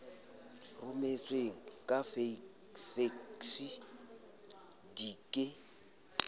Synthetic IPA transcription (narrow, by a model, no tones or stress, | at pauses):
rʊmet͡sʼweŋ̩kʼafe | feksi | dikʼɪ